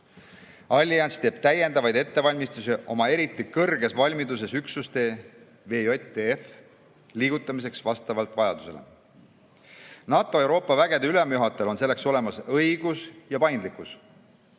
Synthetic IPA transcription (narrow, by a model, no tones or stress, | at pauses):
ɑlʲːiɑnst̪e̞ːb̥t̪æje̞nd̪ɑvɑjd̪e̞t̪ːe̞vɑlʲmist̪usiʔo̞̰mɑe̞ɾit̪ːˑikɤrɡ̥e̞svɑlʲmid̪us̬e̞syksust̪e̞ː | ve̞ːot̪ːeef | liːɡ̥ut̪ːˑɑmis̬e̞ksvɑst̪ɑvɑlt̪ˑvɑjɑ̰d̪̥use̞le̞̰ | nɑːt̪ˑo̞e̞wɾo̞ːpːˑɑvæɡ̥e̞d̪eyle̞mjuɦɑt̪ːˑelo̞nse̞lːe̞kso̞le̞mɑsɤjɡ̥usjɑpɑjnd̪likˑus